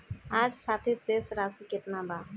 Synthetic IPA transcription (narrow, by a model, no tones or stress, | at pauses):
aːd͡ʒpʰaːt̪ʰiɾsesɾasikɪʈ̪naba